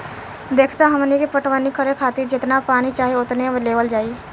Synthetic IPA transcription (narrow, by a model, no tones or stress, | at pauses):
d̪eːkʰt̪aɦɐmnekepəʈʰʋaːnikəɾẽkʰaːt̪ɪɾd͡ʒɪt̪napaːnit͡ʃaːɦeʊt̪neleːʋəld͡ʒaːi